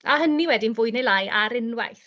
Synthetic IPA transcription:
a̰ɦəniwɛdinvʊɨnejlˠajʔaɾɪnwa̰jθ

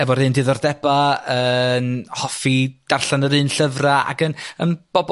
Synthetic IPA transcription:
ɛvɔɾɨːndɨðɔrdɛbaənhɔfid̥arɬanəɾɨːnɬəvraa̰ɡənənb̥ɔb

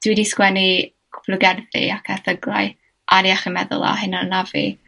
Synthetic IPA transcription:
d̥widiskwɛni | kʰʊ̥pʰlʊɡɛrðḭakʰɛθəɡraj | ʔaɾiaχimɛðʊ̰lˠa̰ɦɪnanavḭ

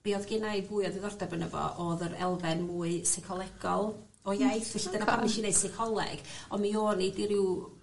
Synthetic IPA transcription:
b̥iɔðɡɪnaɨvuːɨɔðɪðɔrdabənəvɔ̰ʔɔðəɾɛ̰lˠvɛnmuːɨsɛkʰɔlˠɛɡ̥ɔlˠ | ɔjajθvɛɬidənaamiʃineɨ̥sɛkʰɔlˠɛ̰ɡ̥ɔnmioːnidiɾɪw

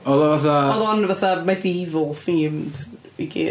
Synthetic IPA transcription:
ɔlˠavaθaðˠɔnvaθamadivɔlˠfimd | ḭɡḭ

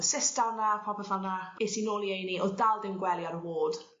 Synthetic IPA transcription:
sɪsd̥alnapʰɔpʰəvanaetinoːlˠiejniʔɔdalˠdɪmɡwɛlˠjaɾəwoːd̥

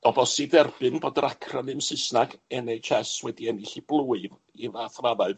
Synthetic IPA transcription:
ɔbɔsidɛrbɨnboːdəɾakʰranɨmsɨsnaɡɛnejt͡ʃʰɛswɛdiɛniɬiblˠuːɨv | ivaːθravaɨv

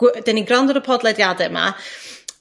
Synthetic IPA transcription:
ɡ̥d̥ɛniɡrandɔɾəpʰɔdlˠɛdjadɛma̰

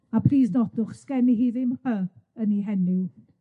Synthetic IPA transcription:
apʰriːsdɔdʊχskɛniɦiːðɪmhəəniɦɛnɪ

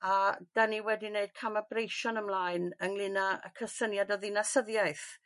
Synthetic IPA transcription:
ad̥aniwɛdineɨd̥̚kʰamabrejʃɔnəmlˠaɨnəŋlɨnaə̰kʰəsənjadɔðɪnasəðjaɨθ

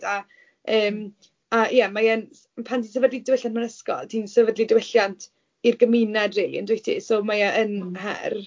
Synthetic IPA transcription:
da | əːm | ajɛmajɛn | pʰantinsəvədlidəwɪɬjantmanəskɔ̰lˠtʰinsəvədlidəwɪɬjantʰ | irɡəmɪnadrelˠḭəndwetʰḭsɔmajaʔənɦɛ̰r

